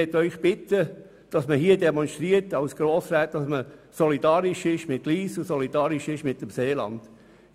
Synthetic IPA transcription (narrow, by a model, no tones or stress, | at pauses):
ɛt̪ːœʏχb̥ɪtə | d̥ɑsməɦiːədɛmɔnʃt̪ɾiətɑwsɡ̥ɾoːsɾæːt̚d̥ɑsməsɔlidɑːɾɪʃɪʃmɪt̚liːsusɔlid̥ɑːɾɪʃɪʃmɪtːəmseːlɑ̰nd̥